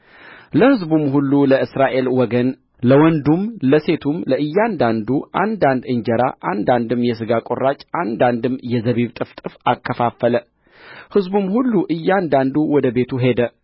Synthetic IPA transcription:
ləhɨzbumhulːuləʔɨsɾaʔe̞lwɔɡən | ləwɔnd̪umləse̞t̪ʰumləʔɨjːand̪and̪uʔa̰nd̪and̪ɨɲd͡ʒɛɾa̰ʔand̪and̪ɨmːjɛsɨɡakʼorat͡ʃʼand̪and̪ɨmjɛzəβiβt̪ʼɨft̪ʼɨfakʰːəfafːələ | hɨzbumhulːuʔɨjːand̪and̪uwɔd̪əbe̞t̪ʰuɦe̞d̪ə

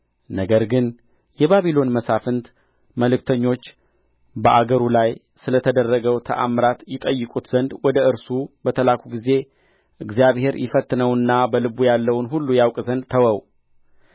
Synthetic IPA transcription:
nəɡəɾɡɨn | jɛβaβilo̞nməsafɨnt̪ | məlɨk̚t̪ʰəɲːo̞t͡ʃː | bəʔaɡəɾulaj | sɨlət̪ʰəd̪ərːəɡəwt̪ʰə̰ʔamɾat̪jɪt̪ʼəjːɨkʼut̪z̥ənd̪wɔd̪əʔɨɾsubət̪ʰəlakʷʰuɡize̞ | ʔɨɡzijaβhe̞ɾjɪfət̪ːɨnəwɨnːabəlɨbujalːəwnɦulːujawkʼzənd̪̚t̪ʰəwəw

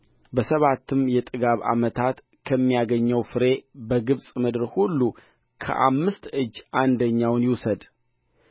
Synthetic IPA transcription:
bəsəβat̪ʰːɨmjɛt̪ʼɨɡaβa̰mət̪ʰat̪ | kʰəmːijaɡəɲːəwfɨɾe̞bəɡɨβsʼmɨd̪ɨɾhulːu | kʰə̰ʔa̰mːɨst̪ɨd͡ʒːʔand̪əɲːawnjɪwsəd̪

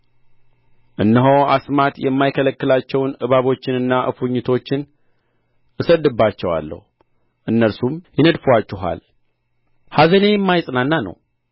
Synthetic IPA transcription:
ʔɨnːəɦowa̰smat̪jɛmːajkʰələkːɨlat͡ʃːɛwnɨβaβo̞t͡ʃːɪnɨnːaʔɨ̰fuɲːɪt̪ʰo̞t͡ʃːɪn | ʔɨsəd̪ːɨbːat͡ʃːɛwa̰lːə̰hu | ʔɨnːəɾsumjɛnəd̪fuat͡ʃːɪɦa̰l | hazənejɛmːajsʼnanːanə̰w

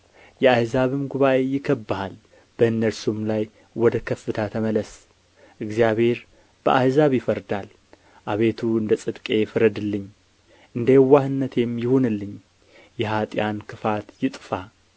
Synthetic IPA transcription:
jɛajzaβɨmɡuβaʔe̞jɪkʰːɐbːahal | b̥əɨnːəɾsumlaj | wɔd̪əkʰɐfːɨt̪ʰat̪ʰəməlɐs | ʔɨɡzijaβhe̞ɾ | b̥əʔajzaβjɪfəɾd̪al | ʔaβe̞t̪ʰuɨnd̪ət͡sʼɨd̪kʼe̞jfɨɾɐd̪ɨlːɨɲː | ʔɨnd̪əjɛwːahɨnːɐt̪ʰe̞mjɪhunɨlːɨɲ | jɛɦat̪ʼjankʰɨfat̪jɪt̪ʼfa

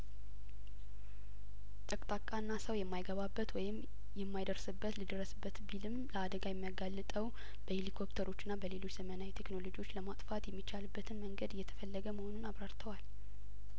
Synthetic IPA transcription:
t̪ʼəkʼt̪ʼakʼanːasəwjɛmːajɡəβabːət̪wɔjɪm | jɛmːajd̪əɾsɨbːət̪lɨd̪əɾːəsɨbːət̪bilɨmləad̪əɡajɛmːijaɡalːɨt̪ʼəw | b̥əhelikʰopt̪ʰəɾo̞t͡ʃːɪnːabəle̞lo̞t͡ʃːz̥əmənawit̪ʰe̞kno̞lo̞d͡ʒiwot͡ʃːləmat̪ʼfat̪jɛmːit͡ʃːalɨbːət̪ʰɨnməŋɡəd̪ɨjːɛt̪ʰə̥fəlːəɡəməho̞nunaβɾaɾt̪ʰəwal

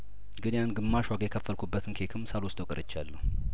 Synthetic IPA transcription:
ɡɨnjanɡɨmːaʃwaɡjɛkʰəfːəlkʰubːət̪ʰɨnkʰekʰɨmsalwʊst̪ʼwɔkʼɨɾʔɨt͡ʃːalːəh

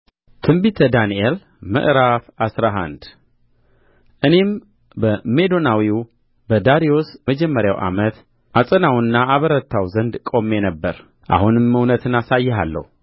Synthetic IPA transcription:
t̪ʰɨmbit̪ʰəd̪aniel | mə̰ʔɾafasɾaɦa̰nd̪ | ʔɨne̞m | bəme̞d̪o̞nawiu | bəd̪aɾio̞sməd͡ʒɛmːəɾja̰wʔa̰mət̪ | ʔasʼənawɨnːaːβəɾət̪ʰːawzənd̪kʼo̞mːe̞nəbːəɾ | ʔa̰hunɨmːɨwnət̪ʰɨnasajːɛɦalːə̰hu

